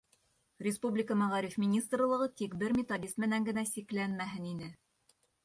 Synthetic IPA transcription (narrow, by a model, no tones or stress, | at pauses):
rʲɪspublʲɪkəmæʁɑɾʲifmʲɪnʲist̪rlˠɤ̆ʁɤt̪ikbɘɾmʲɪt̪od̪ʲist̪mɘ̆næŋɡɘ̆næsiklænmæɦɘninɘ